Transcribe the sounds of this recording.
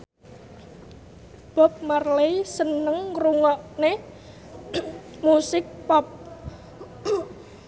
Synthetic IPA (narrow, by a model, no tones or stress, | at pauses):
b̥ɔ̤p̚marlejsənəŋɾuŋɔʔne | musɪk̚pɔp̚